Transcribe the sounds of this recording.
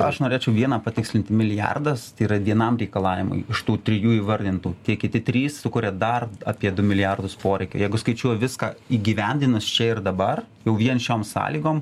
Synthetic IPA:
ɐʃnoːɾʲeːt͡ʃʲɛʊʋʲiɛnɑːpɐt̪ʲɪksʲlʲɪnʲt̪ʲɪmʲɪlʲɪjɑ̰rd̪ɐst̪ɐɪiːɾɐʋʲiɛnɐmɾʲɛɪkɐlˠɑːʋʲɪmʊ̰ɪɪʃt̪uːt̪ʲɾʲɪjuːiːʋɐɾʲd̪ʲɪnt̪uːt̪ʲiɛkʲɪt̪ʲɪt̪ʲɾʲiːssʊkʊɾʲɛd̪ɐrɑːpʲiɛd̪ʊmʲɪlʲɪjɑrd̪ʊspoːɾʲɛɪkʲʊjɛɪɡʊskɐɪt͡ʃʲuɔjʋʲɪskɑiːɡʲiːʋʲɛnʲd̪ʲɪnɐst͡ʃʲɛɪrd̪ɐbɐr | jɛʊʋʲiɛnʃʲoːmsɑ̰ːlʲiːɡoːm

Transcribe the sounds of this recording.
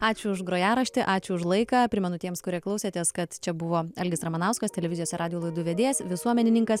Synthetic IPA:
ɑːt͡ʃʲʊʊʃɡɾoːjæːɾɐʃʲt̪ʲɪʔɑːt͡ʃʲʊʊʃlˠɐɪkɐːpʲɾʲɪmʲɛnʊt̪ʲiɛmskʊɾʲiɛklˠɐʊsʲeːt̪ʲeːskɐt̪t͡ʃʲɛbʊʋoːɐlʲɡʲɪsɾɐmɐnɐʊskɐst̪ʲɛlʲɛʋʲɪzʲɪjoːsʲɪɾɑːdʲɪjoːlˠɐɪd̪uʋʲeɛd̪ʲeːsʋʲɪsuɔmʲɛnʲɪnʲɪŋkɐs

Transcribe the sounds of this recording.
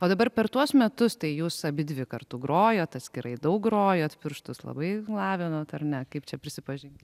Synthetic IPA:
oːd̪ɐbɐrpʲɛɾt̪uɔsmʲɛt̪ʊst̪ɐɪjuːsɐbʲɪd̪ʲʋʲɪkɐrt̪uɡɾoːjoːt̪ɐt̪ʲsʲkʲɪɾɐɪd̪ɐʊk̚ɡɾoːjoːt̪pʲɪɾʃt̪ʊslˠɐ̰bɐɪlˠɑːʋʲɪnoːt̪ɐrnʲɛkɐɪpt͡ʃʲɛpʲɾʲɪsʲɪpɐʒʲɪnʲtʲ

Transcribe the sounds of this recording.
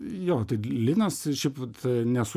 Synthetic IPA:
joːt̪ɐɪlʲɪnɐsʃʲɛɪpɐt̪nʲɛsʊ

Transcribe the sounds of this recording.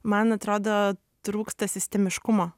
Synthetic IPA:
mɐnɐt̪ɾoːd̪oː | t̪ɾuːkst̪ɐsʲɪsʲt̪ʲɛmʲɪʃkʊmoː

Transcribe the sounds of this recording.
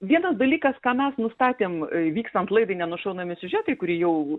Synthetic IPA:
ʋʲiɛnɐsd̪ɐlʲiːkɐskɑːmʲɛsnʊst̪ɑːt̪ʲeːmʋʲiːkst̪ɐnt̪lˠɐɪd̪ɐɪnʲɛnʊʃɐʊnɐmʲɪsʲʊʒʲæːt̪ɐɪkʊɾʲiːjɛʊ

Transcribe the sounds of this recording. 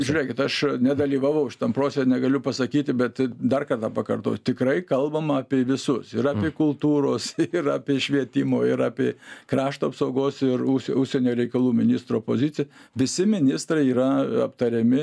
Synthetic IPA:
ʒʲʊɾʲeːkʲɪt̪ɐʃnʲɛd̪ɐlʲiːʋɑːʋɐʊʃʲɪ̥t̪ɐmpɾoːsʲɛnʲɛɡɐlʲʊpɐsɐkʲiːt̪ʲɪbʲɛt̪d̪ɐrkɐrt̪ɑːpɐkɐrt̪o̰ːjt̪ʲɪkɾɐɪkɐlˠbɐmɐɑːpʲeɛʋʲɪsʊsɪɾɑːpʲeːkʊlˠt̪uːɾoːsɪrɑːpʲeɛʃʲʋʲiɛt̪ʲɪmoːɪɾɑːpʲiːkrɑːʃt̪oːɐpsɐʊɡoːsɪrʊʃsʲʊʃʲsʲɛnʲoːɾʲɛɪkɐlˠuːmʲɪnʲɪst̪ɾoːpozʲɪt͡sʲɪjʋʲɪsʲɪmʲɪnʲɪst̪ɾɐɪiːɾɐɐ̰pt̪ɐɾʲɛmʲɪ

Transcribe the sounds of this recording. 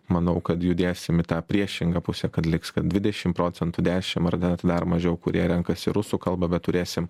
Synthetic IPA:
mɐnɐʊkɐt̪jʊd̪ʲeːsʲɪmɪt̪ɑːpʲɾʲiɛʃʲɪŋɡɑːpʊsʲɛːkɐt̪lʲɪkskɐt̪̚dʲʋʲɪd̪ʲɛʃʲɪmpɾoːt͡ssʲɛnt̪ʊd̪ʲæːʃʲɪmɐrd̪ʲɛnt̪d̪ɐrmɐʒʲɛʊkʊɾʲiɛɾʲɛŋkɐsʲɪɾʊsuːkɐlˠbɐbʲɛt̪t̪ːʊɾʲeːsʲɪm

